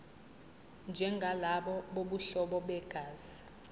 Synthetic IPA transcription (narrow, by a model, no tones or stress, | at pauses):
nd͡ʒʱɛŋɡʱalaɓɔɓoɓuɬɔɓɔɓɛɡ̥ʱaːz̥i